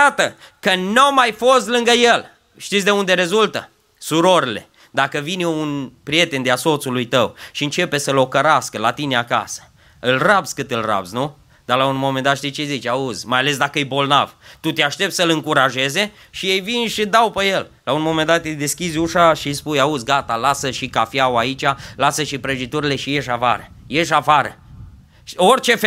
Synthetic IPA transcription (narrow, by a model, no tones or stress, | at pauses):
at̪əkənawmajfo̞st̪lɨŋɡəje̞l | ʃt̪it̪sʲd̪e̞und̪e̞ɾe̞zult̪ə | suɾo̞ɾile̞̰ | d̪akəvinjounpɾije̞t̪e̞nd̪easo̞t̪sulujt̪əwʃiɨnt͡ʃe̞pe̞səlo̞kəɾaskəlat̪ineaka̰sə̥ | ɨlrabz̥ʲkɨt̪ɨlra̰bzʲnu | d̪̥alaunmo̞mend̪at̪ʃt̪it͡ʃezit͡ʃaudzʲmajale̞s̬d̪akəɨjbo̞lna̰v̥t̪ut̪eaʃt̪e̞p̚t̪səlɨŋkuɾaʒe̞ze̞ | ʃije̞jvinʃid̪awpeje̞llaunmo̞me̞nd̪at̪jejd̪e̞skʲizʲuʃaʃispujaud̪zʲɡat̪alasəʃikafjawait͡ʃalasəʃipɾəʒit̪uɾile̞ʃije̞ʃafa̰ɾə | je̞ʃafaɾə̰ | o̞rʲt͡ʃe̞f